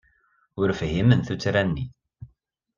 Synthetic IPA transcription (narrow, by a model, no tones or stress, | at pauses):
ʊɾfɦimənθut͡sːɾænːi